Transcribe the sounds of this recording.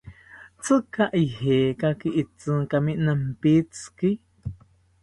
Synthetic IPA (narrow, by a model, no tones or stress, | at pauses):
t͡sɨkaʔiheːkakiʔit͡sɨŋkamiʔnampit͡ski